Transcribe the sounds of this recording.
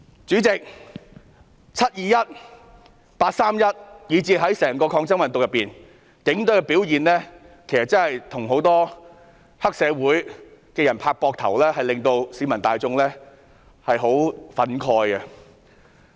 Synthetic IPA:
t͡syː˨˥t͡sɪ˨k̚ | t͡sʰɐ˥t̚jiː˨jɐ˥t̚ | paː˧t̚saː˥mjɐ˥t̚jiː˨˧t͡siː˧ɦɐ˨˥jsɛː˨˩ŋkɔː˧kʰɔː˧ŋt͡sɐ˥ŋmɐ˨nt̪ʊ˨k̚jɐ˨pːiː˨˩n | kɪ˨˥ŋt̪ɵ˨˥kɛ˧pi˨˥wjiː˨nlɛː˥ | kʰe˨˩jsɐ˨t̚t͡sɐ˥nhɐ˨jt̪ʰʊ˨˩ŋɦo˨˥wt̪ɔː˥ | hɐ˥k̚sɛː˨˧wuː˨˥jkɛː˧jɐ˨˩npʰaː˧k̚pɔː˧k̚t̪ʰɐ̰˨˩wlɛː˥hɐ˨jlɪ˨ŋt̪o˧wsiː˨˥mɐ˨˩nt̪aː˨˧jt͡sʊ˧ŋlɛː˥ | hɐ˨jɦo˨˥wfɐ˨˥nkʰɔː˧jɐ˧

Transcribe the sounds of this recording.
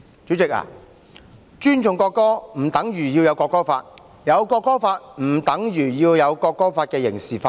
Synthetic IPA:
t͡ʃyː˨˥t͡sɪ˨k̚a̰ː˨˩ | t͡ʃyː˥nt͡sʊ˨˧ŋkɔː˧kːɔː˥m̩˨˩t̪ɐ˨˥ŋɥyː˨˩ji˧wjɐ˨˧wkɔː˧kːɔː˥fa̰ː˧t̚ | jɐ˨˧wkɔː˧kːɔː˥faː˧t̚m̩ː˨˩t̪ɐ˨˥ŋjyː˨˩jiː˧wjɐ˨˧wkɔː˧kːɔː˥faː˧t̚kɛː˧jɪ̰˨˩ŋsiː˨˩faː˧

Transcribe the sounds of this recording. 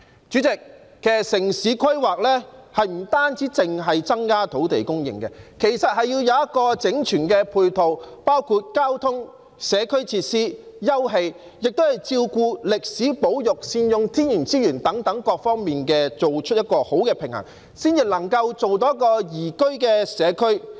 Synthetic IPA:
t͡ʃyː˨˥t͡sɪ˨k̚ː | ɛː˨sɪ˨˩ŋsiː˨˥kʰɐ˥ɥwaː˨k̚lɛ˥hɐ˨jm̩˨˩t̪aː˥nt͡siː˨˥t͡sɪ˨ŋɦɐ˨jt͡sɐ˥ŋkaː˥t̪ʰo˨˥wt̪ḛ˨jkʊ˥ŋjɪ̰˨˩ŋkɛ̰˧kʰe˨˩jsɐ˨t̚ɦɐ˨jːiː˧wjɐ˨˧wjɐ˥t̚kɔː˧t͡sɪ˨˥ŋt͡ʃʰyː˨˩nkɛː˧pʰuː˧jt̪ʰo˨wpaː˥wkʰuː˨˧t̚kaː˥wt̪ʰʊ˥ŋ | sɛː˨˧kʰɵ˥ɥt͡sʰiː˧t̚siː˥jɐ˥wɦe˧j | jɪ˨k̚t̪o˥whɐ˨jt͡siː˧wkuː˧lɪ˨k̚siː˨˥po˨˥wjʊ˨k̚siː˧njʊ˨ŋt̪ʰiː˥njyː˨˩nt͡siː˥jyː˨˩nt̪ɐ˨˥ŋt̪ɐ˨˥ŋkɔː˧k̚fɔː˥ŋmiː˨nkɛː˧t͡so˨wt͡ʃʰɵ˥t̚jɐ˥t̚kɔː˧ho˨˥wkɛː˧pʰɪ˨˩ŋhɐ̰˨˩ŋ | siː˥nt͡si˨lɐ˨˩ŋkɐ˧wt͡so˨wt̪o˨˦jkɔː˧jiː˨˩kɵ˥ɥkɛː˧sɛː˨˧kʰɵ˥ɥ

